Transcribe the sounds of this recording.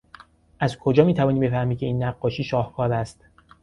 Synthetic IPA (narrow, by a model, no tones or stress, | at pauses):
ʔæzkʰo̞d͡ʒɒːmiːt̪ʰævɒːniːbe̞fæhmiːkʲʰe̞iːnːæɢːɒːʃiːʃɒːhkʰɒːɾæst̪